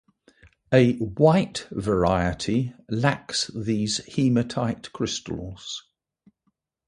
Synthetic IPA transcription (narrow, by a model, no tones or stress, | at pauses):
əwaɪʔvəɹaɪətʰilaksðiːz̥hiːmətʰaɪtkʰɹ̥ɪstə̰lˠz̥